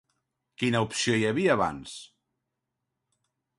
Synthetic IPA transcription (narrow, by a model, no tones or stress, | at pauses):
kinəupsiojəβiəːβa̰ns